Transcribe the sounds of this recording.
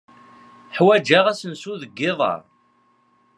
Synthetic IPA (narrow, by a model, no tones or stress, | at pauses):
ħwæd͡ʒaʁæsənsuðəɡːɪðˤɑ̰ɾˤ